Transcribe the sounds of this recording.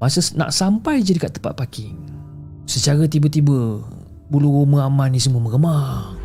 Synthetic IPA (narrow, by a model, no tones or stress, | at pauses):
masəna̰ʔsampajd͡ʒadikaʔt̪əpa̰t̪̚paki | sət͡ʃaɾət̪̬ibət̪ibə | buluuməamanis̬əmuəməɡəmar